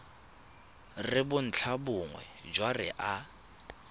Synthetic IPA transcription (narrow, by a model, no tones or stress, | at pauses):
rɪbʊn̩t͡ɬʰabʊŋwɛ̰d͡ʒwarɪ̰ʔa